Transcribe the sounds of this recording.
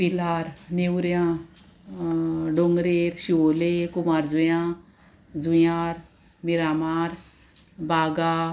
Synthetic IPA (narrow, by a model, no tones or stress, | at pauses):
pilaɾnewɾjã | ɖoŋɡɾeɾɕiolekumaɾd͡zujã | d͡zujaɾ | miɾamaːɾ | baɡa